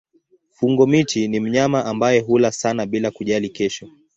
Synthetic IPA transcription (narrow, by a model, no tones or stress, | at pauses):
fuŋɡɔmitinim̩ɲamaʔambajɛɦulasanaɓilakuʄalikɛʃɔ